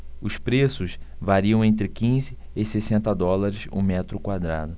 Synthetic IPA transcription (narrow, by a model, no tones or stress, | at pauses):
ʊspɾesʊʃvaɾiɐ̃w̃ẽnt̪ɾɪkĩzɪːsesẽnt̪ɐd̪ɔlaɾɪsṵ̃mɛt̪ɾʊkwad̪ɾa̰d̪ʊ